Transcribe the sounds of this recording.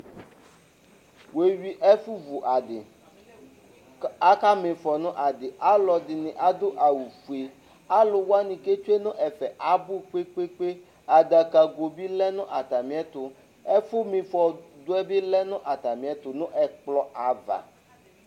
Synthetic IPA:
we˨ɥi˨ʔɛ˦fu˦vu˨ʔa˨dɪ˨ | a˦ka˦mɪ̃˨fɔ˨nʊ̃˦ʔa˨dɪ˨ʔa˦lɔ˨dɪ˨nɪ̃˨ʔa˦d̪ʊ˦ʔa˨wu˨fu˨e˨ | a˦lʊ˨wa˦nɪ̃˨ke˦t͡ʃu˦e˦nʊ̃˦ʔɛ˨fɛ˨ʔa˨bʊ˦k͡pe˦k͡pe˦k͡pe˦ | a˨da˨ka˨ɡo˨bi˦lɛ˦nʊ̃˦ʔa˨t̪a˨mĩ˨˦ɛ˦t̪ʊ˨ | ɛ˦fʊ˦mɪ̃˨fɔ˨d̪ʊ˦ɛ˦bɪ˦lɛ˦nʊ̃˦ʔa˨t̪a˨mĩ˨ɛ˦t̪ʊ˨nʊ̃˦ʔɛ˨k͡plɔ˦ʔa˨va̰˨

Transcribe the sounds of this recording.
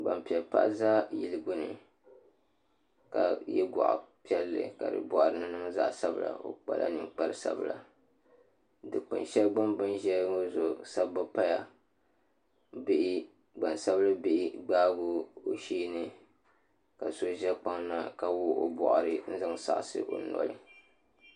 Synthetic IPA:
ɡ͡ba̰˨mpi˨ɛ˨lpa̰˦ʔzaː˦ji˨lɨ˨ɡo˦nɨ̰˨ | ka̰˨jɛ̰˦ɡɔ̰˨ʔa̰˨pi˦ɛ˦lːɨ̰˨ka˨dɨ̰˨bɔ˨ʔɾɨ˨nɨ˦nɨ˦za̰˦ʔsa˦bɨ˦la̰˨o̰˦k͡pa̰˦la̰˦nɨ˨ŋk͡pa˦lɨ˦sa̰˦bɨ˨la˨ | dɨ˨k͡pɨ̰˨nʃɛ˦lɡ͡ba˦mbɨ˦nʒɛ˦o˦zo˨sa˦ba˦pa˦ja˨ | bɪ˦ʔɪ˦ | ɡ͡ba˨nsa˦bɨ˦lɨ˦bi˦ʔɪ˦ɡ͡baː˦ɡʊ˦o˨ʃiː˦nɨ˦ | ka˨so˦ʒɛ˦k͡pa˦ŋna˦ka˨wʊ˦o̰˦bɔ̰˨ʔʊ˨ɾɨ˦n̩˦zɨ˦ŋ˦sa̰˨ʔsɨ̰˦ʔo˨nɔ̰˦lɨ˦

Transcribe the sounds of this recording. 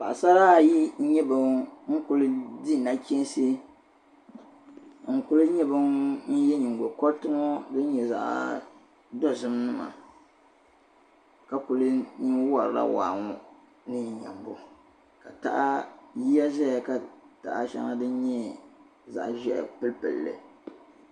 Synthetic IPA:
pa˨ʔsa˦ɾa˦˨ji˦ɲɛ˦bɨ˨ŋ̩˦kʊ˨lɨ˦di˦˨na˦kʲi˦n˦se˦ | ŋ̩˦˨kʊ˦lɨ˦ɲɛ˦bɨ˦ŋn̩˦jɛ˦ɲi˨ŋ˨ɡo˨kɔ˦ɾtɨ˦ŋɔ˦dɨ˦n˦ɲɛ˨za̰˨ʔ | dɔ˦zɨ˨mnɨ˦ma̰˨ | ka˨kʊ˨lɨ˦ɲi˦ŋwa˨ɾɾa̰˦wa̰ː˨ŋɔ˦ | nɨ˦ɲ˨ɲa̰˨mbʊ˦ | ka˨ta̰˦ʔa˦ji˦a˦zɛ˦ja˨ka˨ta˨ʔa˦ʃa̰˦ŋa˦dɨ˦n̩˦ɲɛ˦ | za̰˨ʔʒɛ˦ʔpɨ˦lpɨ̰˨lːɨ̰˨

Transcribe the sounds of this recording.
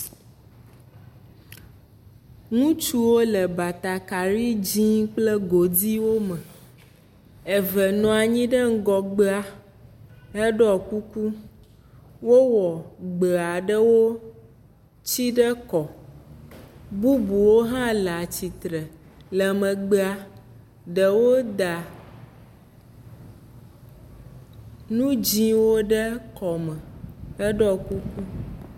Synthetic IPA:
ŋũ˦t͡ʃu˦wo˦lɛ˨ba˨t̪a˨ka˨ɾi˦d͡ʑĩ˦k͡plɛ˦ɡo˨di˦wo˦mɛ˨ | e˨vɛ˨nɔ̃˨a˨ɲĩ˦ɖə˦ŋ̩˦ɡɔ˨ɡ͡be˦a˨ | ɦe˦ɖɔ˨ku˦ku˦ | wo˦wɔ˨ɡ͡be˨a˨ɖə˦wo˦ | t͡ɕi˦ɖɛ˦kɔ˨ | bu˦bu˨wo˦ɦã˦la˨t͡ɕi˨t̪ɾɛ˨ | lɛ˨mɛ̃˨ɡ͡be˦a˨ | ɖɛ˨wo˦d̪a˨ | nũ˦d͡ʑĩ˦wo˦ɖɛ˦kɔ˨mɛ˨ɛ˦ɖɔ˦ku˦ku˦

